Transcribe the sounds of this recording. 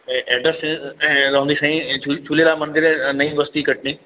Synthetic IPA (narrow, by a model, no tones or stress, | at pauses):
ɛːɖəsẽɾɐɦə̃nd̪isãĩd͡ʒʰulelamɐ̃nd̪ɪɾnɐĩbɐst̪ikɐʈɳĩː